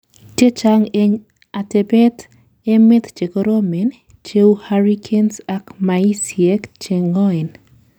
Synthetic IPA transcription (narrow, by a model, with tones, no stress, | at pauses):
tje˦t͡ʃaŋe˦ɲ | a˨te˨bɛ˦t̪ | e˦met̪t͡ʃe˨koɾo˦me˨n | t͡ʃe˦uhaɾikʰe˦nsa˨kmai˦sjɛ˦kt͡ʃe˨ŋɔ˦ɪ˨n